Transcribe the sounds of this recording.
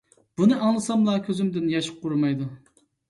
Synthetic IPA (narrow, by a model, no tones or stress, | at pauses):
b̥unɨʔɑŋlˠɨsɑmlˠɑkʲʰøzymd̪ɪnjɑʃɪ̥q̚ːuɾumɑjd̪u